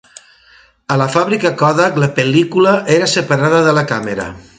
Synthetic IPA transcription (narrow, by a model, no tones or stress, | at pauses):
ələfaβɾikəkɔðakləpəlikuləʔeɾəsəpəɾaðəðələkaməɾə̰